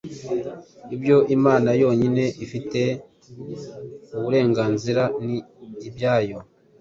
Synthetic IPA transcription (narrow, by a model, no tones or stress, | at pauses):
ibjo̞ʔimaːnajo̞ːɲine̞ʔifite̞ | uβuɾe̞ːŋɡaːnziɾaniːbjaːjo̞